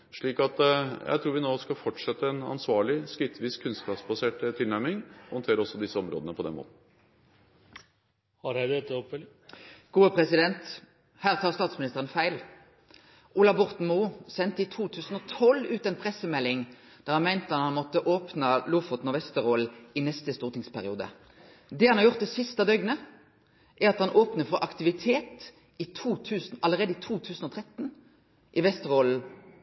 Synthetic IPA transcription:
ʂɭiːkɑt̪jæ̰ɪt̪ʰɾuːɾʋɪnoːskɑlfɔʈʂɛt̪ːəɛnɑ̰nsʋɑːɭɪskɾɪt̪ʰʋiːskʰːʉnstkɑːpsbɑseːʈt̪ʰːɪlnæɾmɪŋɔhɔnt̪ʰeːɾɔsːɔd̪ɪsːəɔmɾo̰ːd̪ənəpʰɔd̪ɛnmo̰ːt̪n̩ | hɑɾhæɪd̪ɛt̪ːəɔpfɛl | ɡ̥uːəpʰʁɛsɪd̪ɛnt̪ | hæːʁt̪ʰɑːʁst̪ɑːt̪smɪnɪst̪əʁənfæɪl | ʔulɑbʊʁt̪n̩muːsɛnt̪əit̪ʰuːt̪ʰʉːsn̩ɔt̪ʰɔlʉːt̪ɛɪnpʰʁɛsəmɛlːɪŋ | d̪̥æːʁhɑnmæɪnt̪əɑt̪hɑnmɔt̪ːəʔoːpnəluːfɔt̪nɔʋɛst̪əʁoːlɪnɛst̪əst̪uːʁt̪ɪŋspʰæʁɪṵːd̪ə̰ | d̪ɛhɑnhɑʁjʊʁt̪̚d̪ɛsɪst̪ɑd̪œʏɡnə | ʔæʁɑt̪hɑnʔoːpnəfɔʔɑkt̪ɪʋɪt̪ʰeːt̪ | ɪt̪ʰuːt̪ʰʉːsn̩ɑləʁeːd̪əɪt̪ʰuːt̪ʰʉːsn̩ɔt̪ʰʁɛt̪n̩ | ʔɪʋɛst̪əʁoːl̩

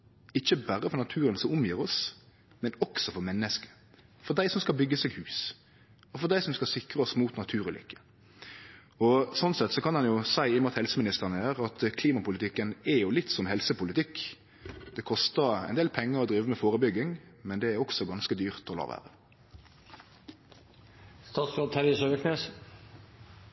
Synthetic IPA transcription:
ɪçːəbæɾəfɔɾʁnɑt̪ʰʉːɾənsɔmʊmjiːɾɔs | mɛnɔksɔfɔɾmɛnːəskə̥ | fɔʁd̪æɪsɔmskɑbʏɡːəsɛɡhʉːs | ɔfɔʁd̪æɪsɔmskɑlsɪkɾəɔsmuːt̪nɑt̪ʰʉːɾʉlʏ̰kːə̥ | ɔsɔnsɛt̪sɔkɑnhɑnjʊsæɪɪmʊt̪hɛlsəmɪnɪst̪əʁənəjæːɾɑt̪kʰliːmɑpʊlɪt̪ɪkːənɛjʊlɪt̪ːsɔmhɛlsəpʊlɪt̪ɪkː | d̪̥ɛkʰɔst̪əɾæ̰ɪnd̪eːlpʰɛŋːəʁɔd̪ɾiːʋəmɛfoːʁəbʏɡɪŋmɛnd̪ɛæɾɔksɔɡɑnskəd̪yːʁt̪ɔlɑ̰ːʋæ̰ːʁə | st̪ɑːt̪sɑt̪ʰæɾɪsøːəkneːs

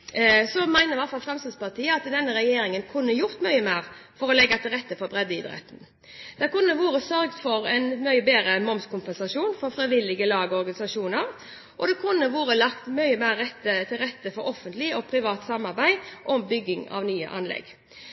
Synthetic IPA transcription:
sɔmæɪnəɾʋæɾt̪fɑlfʁɑmsəspɑʁt̪ʰiːəɑt̪d̪ɛnːəɾɛjeːɾɪŋənkʰʊnːəjʊɾt̪mœʏəmæːʁfɔɾɔlɛɡːɑt̪ʰɪlɾɛt̪ːəfɔɾbɾɛd̪ːəɪd̪ɾɛ̰t̪ən̩ | d̪̥ɛkʊnːəʋuːɾəsœɾɡt̪fɔɾɛnmœʏəbeːɾəmɔmskʊmpɛnsɑʂuːnfɔɾfɾɛɪʋɪlːɪɡəlɑːɡəɔɾɡɑnɪsɑʂuːnəɾ | ʔɔd̪ɛkʰʊnːəʋuːɾəlɑkt̪mœʏəmæːɾːɛt̪ːət̪ʰɪlɾɛt̪ːəfɔɾɔfənt̪lɪɔpʰɾɪʋɑːt̪sɑmːɑɾbæɪʔɔmbʏɡːɪŋɑ̰ʋnyːə̰ʔɑ̰nlɛ̰ɡ

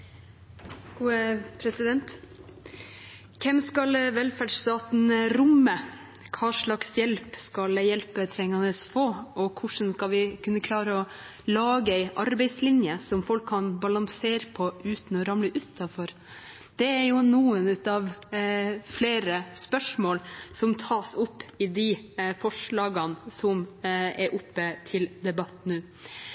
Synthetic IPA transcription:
ɡ̥uːəpʰɾɛsɪd̪ɛnt̪ | kʰɛmskɑlʋɛlfæɖʂt̪ɑːt̪n̩ɾʊmːə | kʰɑːʂɭɑksjɛlpskɑljɛlpət̪ʰɾɛŋːɑnəsfoːɔkʰʊʂn̩skɑlʋɪkʰʉnːəkʰlɑːɾəɔ | lɑːɡəɛɪʔɑɾbɛɪslɪnjəsɔmfɔlkʰːɑnbɑlɑŋseːɾpʰɔʔʉːt̪n̩ɔɾɑmləʔʉt̪ʰːɑfɔɾ | d̪̥ɛæɾjʊnuːənʉt̪ɑʋ | fleːɾəspœʂmoːlsɔmt̪ʰɑːsʊpːɪd̪ɪfɔʂɭɑːɡɑnsɔmɛɾʔʊpːət̪ʰɪld̪ɛbɑt̪nʉː

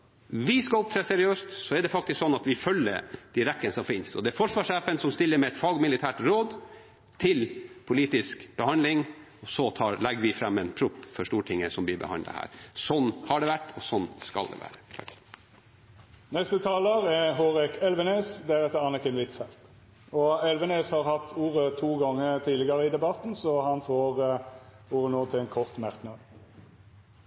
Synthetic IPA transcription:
ʋɪskɑɔp̚t̪ʰɾɛːsɛɾɪøːst̪sɔɛɖɛfɑk̚t̪ɪsksɔnːɑt̪ʋɪfœlːəɾd̪̥iɾɛkːənsɔmfɪnsɔ̰d̪ɛæɾfɔʂʋɑːʂæːpənsɔmst̪ɪlːəɾmɛɛt̪fɑːɡmɪlɪt̪ʰæːʈɾoːd̪ | t̪ʰɪlpʰʊliːt̪ɪskb̥əhɑnd̪lɪŋ | ɔsɔt̪ʰɑːlɛɡəʋɪfɾɛmːɛnpʰɾʊpːfɔʂʈuːʈʰɪŋːəsɔmbɪbə̰hɑ̰nd̪ə̰hæ̰ːɾsɔnːhɑɖɛʋæʈːɔsɔnːskɑ̰ld̪ɛ̰ʋæ̰ːɾə | nɛst̪ət̪ʰɑːləɾɛɦoːɾɪkɛlʋənøːsd̪æɾɛt̪əɑnəkənʋɪt̪fɛlt̪ | ɔɛlʋəneːshɑɾhɑt̪ːuːɾət̪ʰuːɡɔŋːət̪ʰiːd̪lɪɡəɾəɪd̪ɛbɑt̪n̩sɔhɑnfoːʁ | uːɾənoːt̪ʰɪɛnkʰɔʁt̪mɑɾknɑd̪

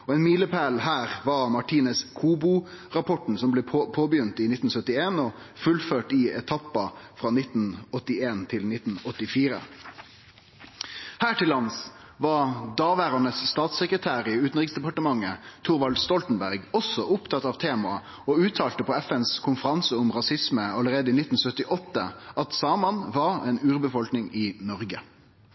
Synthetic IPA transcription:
ɔɛnmiːləpʰæːlhæːʁʋɑʁmɑʈʰiːnəskʰuːbʊ | ʁɑpʰɔʈn̩sɔmbleːpʰoːbəjʏnt̪ɪnɪt̪n̩sœt̪ɪeːnɔfʉlføːʈɪɛt̪ʰɑpːɑfʁɑːnɪt̪n̩ɔt̪ːɪeːnt̪ʰɪlnɪt̪n̩ɔt̪ːɪfiːɾə̰ | hæːʈɪlːɑns | ʋɑd̪ɑːʋæːɾɑnəsːt̪ɑːt̪səkʁət̪ʰæːɾɪʉːt̪n̩ʁɪksd̪ɛpɑʈəmɑŋːət̪ʰʊʁʋɑlt̪st̪ɔlt̪n̩bæʁɡɔsɔʊpt̪ʰɑt̪ɑːʋt̪ʰeːmɑɑ | ɔʉːt̪ʰɑːlt̪əpʰɔɛfɛnskʰʊnfəʁɑnsəʊmʁɑsɪsməɑləʁeːd̪əiːnɪt̪ːn̩sœt̪ɪʔɔt̪ːə̰ʔɑt̪sɑːmɑnʋɑːɾɛːnʉːʁbəfɔlknɪŋɪnɔʁɡə

